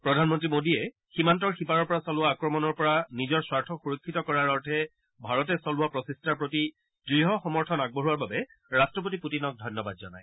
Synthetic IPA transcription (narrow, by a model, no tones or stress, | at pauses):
pɹɔdʱanmɔntɹimodiɛ | ximant̬ɔɹxipaɹɔɹpɔɹasɔlʊwaːkɹɔmɔnɔɹpɔɹanizɔɹswaɹtʰɔxuɹɔkʰːitɔkɔɹaɹɔɹtʰɛ | bʱaɹɔtɛsɔlʊwapɹɔsistʰaɹpɹoti | dɹiɦɔxɔmɔɹtʰɔnaɡ̚bɔɦuaɹbabɛ | ɹastɹɔp̬otiputinɔk̚dʱɔjnːɔba̰d̚zɔ̰na̰j